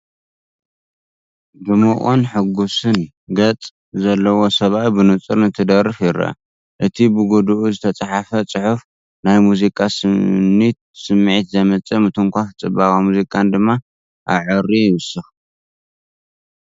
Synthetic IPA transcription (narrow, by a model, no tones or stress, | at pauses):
bɨmɨʔʼonħɨɡusɨn | ɡɐt͡sʼ | zɐlːɐwo̞sɐβajbɨnɨt͡sʼɨɾnɨt̪ʰɨd̪ɐrɨfjɪɾɐ̰ | ʔɨt̪ʰibɨɡod̪uʔuzɨt̪ʰɐt͡sʼɐħafɐt͡sʼɨħuf | najmuzikʼasɨnit̪sɨmːʕit̪zɐmɐt͡sʼɐmɨt̪ʰuŋkʷafɨt͡sʼɨbaɣamuzikʼand̪ɨmːa | ʔa̰ʕɨɾːijɪβɨsɨx